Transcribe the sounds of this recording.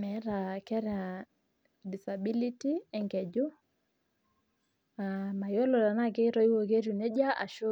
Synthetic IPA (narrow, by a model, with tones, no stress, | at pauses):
mɛ˨˦ɾa˨kɛ˦ɾa˨ | di˨sa˨bi˦li˦ti˦ɛ˨ŋɡɛ˨d͡ʒo˦ | ama˨jo˦lɔ˨ɾa˨na˦k̬e˦ɾɔ˦i˦wo˨ke˦ɾu˨nɛ˦ɟa˦ʔa˨ʃo˦